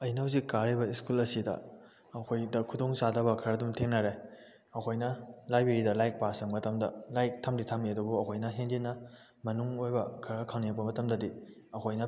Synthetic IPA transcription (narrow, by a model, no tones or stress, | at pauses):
ɐjnɐwzikaɾibɐiskulɐsidɐ̰ː | kʰojdɐkʰudoŋsadɐbɐkʰɐɾɐdumtʰeŋnɐɾe | ɐkʰojnɐlajbeɾidɐlajk̚pasɐŋmɐtɐmdɐlajk̚tʰɐmditʰɐmniɐdubuɐkʰojnɐɦend͡ʒinːɐ | mɐnuŋojbɐkʰɐɾɐkʰaŋniɐk̚pɐmɐtɐmdɐdiɐkʰojnɐ